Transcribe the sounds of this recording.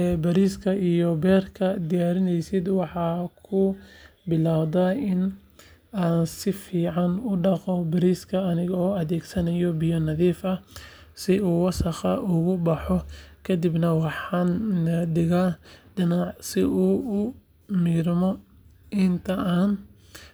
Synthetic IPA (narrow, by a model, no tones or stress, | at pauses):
ɛbɐɾiːskʰɐʔijɔbɛːrkʰɐd̪ɪjaːɾɪnɛjsɪd̪wɑħɑːkʰʊbɪlaːwd̪ɐɪn | aːnsɪfiːʕɑnʊɖɑqɔbɐɾiːskʰɐːnɪɣɔːɐðɛːɡsɐnɐjɔbɪjɔnɐðiːfɐ | sɪuːwɑsɑqɑ̰ʔʊɣʊbɑħɔkʰɐd̪ɪbnɐwɑħɑndɪɣaɖɪnɑʕsɪʔuːʊ | mɪɡɾmɔ | ʔɪnt̪ʰɐʔaːn